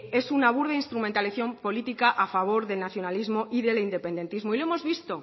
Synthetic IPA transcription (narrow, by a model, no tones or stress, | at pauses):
e̞sunaβ̞uɾðeinst̪ɾumẽnt̪aleθjo̞mpo̞lit̪ikaʔafaβ̞o̞ɾðe̞lnaθjo̞nalizmo̞ʔiðe̞lind̪e̞pe̞nd̪e̞nt̪izmoiloemo̞zβist̪o̞